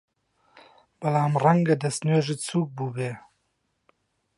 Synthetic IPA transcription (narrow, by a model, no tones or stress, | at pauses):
b̥ɐlaːmrɐŋɡɐd̪ɐsneːʒit͡sʰuːk̚buːbeː